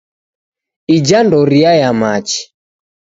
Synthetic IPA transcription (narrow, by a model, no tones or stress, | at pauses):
id͡ʒandɔɾiajamat͡ʃi̥